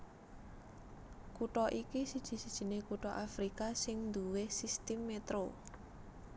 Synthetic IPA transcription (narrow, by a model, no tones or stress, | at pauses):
kuʈɔʔikisid̥ʒ̥i̤sid̥ʒ̥i̤nekuʈɔʔafɾikasɪŋnd̪uwehsist̪ɪmːet̪ɾo